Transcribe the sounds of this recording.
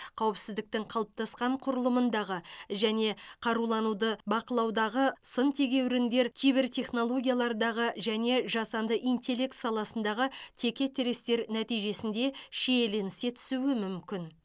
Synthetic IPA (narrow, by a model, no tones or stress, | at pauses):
qʰɑwɪpsɪzd̪ɪk̚t̪ɪŋqʰɑlˠəp̚t̪ɑsqɑɴqʰʊɾəlˠəmənd̪ɑʁəʒæne̞qʰɑɾulˠɑnud̪əbɑqəlˠɑwd̪ɑʁəsənt̪ʰe̞ɡʲe̞wɾɪnd̪e̞ɾkʲʰijbɪɾt̪ʰʲe̞χno̞lˠo̞ɡʲijalˠɑɾd̪ɑʁəʒæne̞ʒɑsɑnd̪əʔijnt̪e̞lʲe̞k̚t̪sɑlˠɑsənd̪ɑʁət̪ʲʰe̞kʲe̞t̪ʰeɾe̞st̪e̞ɾnæt̪ijʒe̞sɪnd̪e̞ʃejelenɪse̞t̪ʰʏ̥suwɪmʏmkʲɪn